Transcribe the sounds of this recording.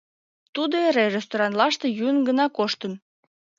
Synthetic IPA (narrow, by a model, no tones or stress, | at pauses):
t̪ud̪oeɾerest̪oɾɑnlɑʃt̪ejynɡənɑkoʃt̪əm